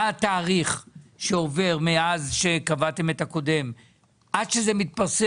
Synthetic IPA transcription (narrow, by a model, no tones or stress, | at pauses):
t̪aːʁiχʃeo̞ve̞ʁmeazʃe̞kavat̪e̞me̞t̪ako̞de̞m | ʔadʃezemit̪̚paʁs